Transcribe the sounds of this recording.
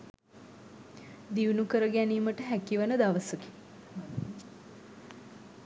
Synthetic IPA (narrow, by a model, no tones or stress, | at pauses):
d̪iʋunukəɾəɡæniːməʈəɦækiʋənəd̪aʋəsəki̥